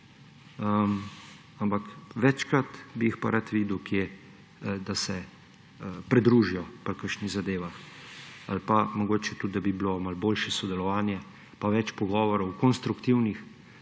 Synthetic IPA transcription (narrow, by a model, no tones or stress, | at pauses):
əm | ampakʋɛt͡ʃkɾat̪bijixpaɾat̪ʋiːd̪ukʰje | d̪asɛ | pɾɛd̪ɾuːʒijɔpɾkəʃniɣzad̪eːʋax | a̰lpamɔɡoːt͡ʃɛt̪ud̪d̪abiblomalboːlʃɛsɔd̪ɛlɔʋaːnjɛ | paʋɛt͡ʃpɔɡɔːʋɔɾɔwkɔnst̪ɾukt̪iwnix